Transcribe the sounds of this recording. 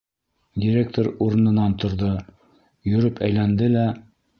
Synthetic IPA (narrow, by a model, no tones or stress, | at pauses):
dʲiɾʲek̚t̪oɾuɾɤ̆nɤ̆nɑnt̪ŏɾðɤ | jɵ̆ɾɵpæjlænd̪ɘlæ